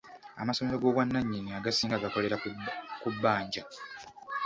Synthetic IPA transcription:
a̰maso̞me̞lo̞ɡo̞ːβwanːaɲːiniaɡasiːŋɡaɡako̞le̞ɾakubːaːɲɟa

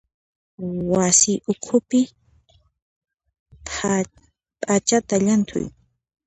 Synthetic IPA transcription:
wasɪʔʊkʰʊpɪ | pʼat͡ʃat̪aʎant̪ʰʊ̰j

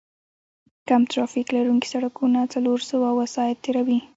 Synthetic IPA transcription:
kamt̪ɾɑfiklaɾuŋki̥saɽakunat͡saloɾsawawasɑjat̪ːeɾawi

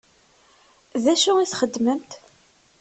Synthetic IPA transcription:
ðæʃuiθχəd̪ːməmt̪

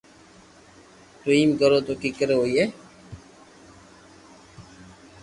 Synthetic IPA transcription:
ʈɾiːmɡəɾoːt̪okikəɾeoːje

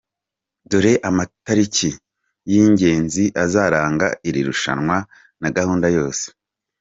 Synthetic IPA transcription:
duɾe̞ʔamataɾici | jiːɲɟe̞ːnziʔazaːɾaːŋɡa̰ʔiɾiɾuʃa̰nŋwa | naɡahuːndajo̞ːse̥

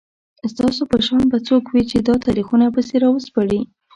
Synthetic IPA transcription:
st̪ɑsopəʃɑnbat͡sokwit͡ʃed̪ɑt̪ɑɾixunapəseɾɑwəspaɽi

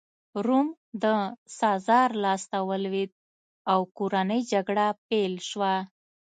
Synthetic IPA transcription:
ɾum | d̪əsɑzɑɾlɑst̪awəlwed̪̚ | awkoɾanəjd͡ʒaɡɽapelʃwa

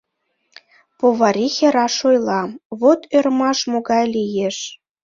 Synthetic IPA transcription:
poβɑɾʲixʲeɾɑʃojlˠɑmβot̪ʰørmɑʃmoɣɑjlijeʃ

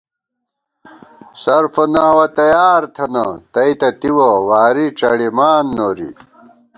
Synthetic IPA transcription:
sɐɾfɐnaːwɐt̪ɐjaːɾt̪ʰɐnɐt̪ɐit̪ɐt̪iwɐwaːɾiʈ͡ʂɐɽimaːnːoːɾḭ

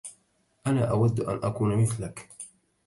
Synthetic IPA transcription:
ʔanaːʔawad̪ːʔa̰nʔakuːnmɪθlak

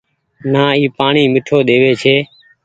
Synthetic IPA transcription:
naːiːpaːɳiːmɪʈʰoːɗ̪eːʋeːt͡ʃʰeː

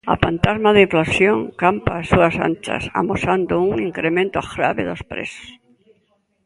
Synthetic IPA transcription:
a̰pant̪azmaðɪiɱflasjoŋkampaːsuasa̰nt͡ʃa̰sa̰mosand̪ʊuŋiŋkɾemẽnt̪ʊaɣɾa̰βɪðospɾḛsʊ̥s

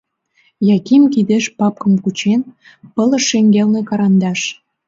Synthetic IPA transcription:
jɑkimkid̪eʃpɑp̚kə̆mkut͡ɕen | pələ̆ʃeŋɡelnekɑɾɑnd̪ɑʃ

